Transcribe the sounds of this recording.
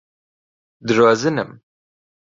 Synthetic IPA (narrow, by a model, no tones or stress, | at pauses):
d̪ɨrɔzɨnɨm